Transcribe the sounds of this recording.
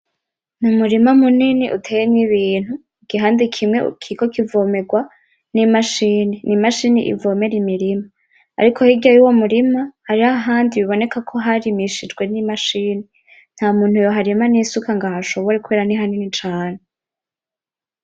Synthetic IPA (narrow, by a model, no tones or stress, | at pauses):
numuɾimamuniniʔṵtʰe̞jeniβiːn̥hu | ɡ̥iɦaːndikʰimŋwḛkʰiɡo̞kivoːme̞ɡwa | nimaʃiːninimaʃiːnḭʔḭvo̞me̞ɾimiɾima̰ː | ɾikʰo̞hiɡɟajuwo̞muɾimahaɾiaɦaːndiβiβo̞ne̞kakʰo̞ɦaɾimiʃid͡ʒɡwe̞nimaʃiːne | n̥hamuːn̥hujoɦaɾimanisukaŋɡahaʃo̞βoɾekuβeːɾaniɦaninit͡ʃaːne